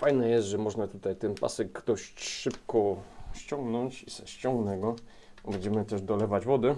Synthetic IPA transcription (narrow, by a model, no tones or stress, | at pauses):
fajnɛjɛst̪ʐɛmɔʐnat̪ut̪ajt̪ɛnpa̰sɛkːd̪ɔɕt͡ɕʂɘp̚kɔɕt͡ɕɔ̃ŋɡnɔɲt͡ɕisɛɕt͡ɕɔ̃ŋɡnɛɡɔ | bɛɲd͡ʑɛmɘt̪ɛʐd̪ɔlɛvad͡ʑvɔd̪ɘ